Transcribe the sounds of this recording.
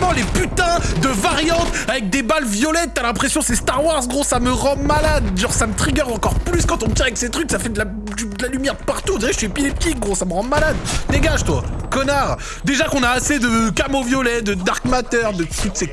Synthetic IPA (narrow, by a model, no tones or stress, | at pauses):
mɑ̃lepyt̪ɛ̃d̪əvaʁjɑ̃t̪avɛk̚d̪ebalvjɔlɛt̪ːyalɛ̃pχesjɔ̃sest̪aʁwaʁzɡʁosaməʁɑ̃malad̪ʒɑ̃samət̪χiɡʲœʁɑ̃kɔʁplyskɑ̃t̪ɔ̃mət̪iavɛkset̪χyksafɛd̪əla | d̪yd̪əlalymjɛʁəpaʁt̪uɔ̃d̪iʁɛəsyepilɛp̚t̪ik̚ɡʁosaməʁɑ̃malad̪d̪eɡaʒt̪wa̰kɔnaʁ | d̪eʒakɔ̃naːsed̪əkamovjɔlɛd̪əd̪aʁkmat̪œʁd̪ət̪ut̪se